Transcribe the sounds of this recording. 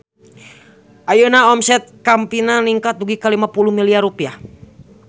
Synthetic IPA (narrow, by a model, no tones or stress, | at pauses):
ʔajunaɔmsɛt̪̚kampinaniŋkat̪̚duɡikalimapuluhmiliarupia